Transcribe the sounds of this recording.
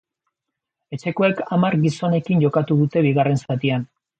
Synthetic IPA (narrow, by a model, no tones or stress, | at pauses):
e̞t͡ʃe̞ko̞e̞kamaɾɣiso̞ne̞kinʝo̞kat̪uðut̪e̞βiɣare̞nsat̪ian